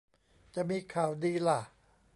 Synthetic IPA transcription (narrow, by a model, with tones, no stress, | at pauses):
t͡ɕa˨˩miː˧kʰaː˨˩wdiː˧la˧˩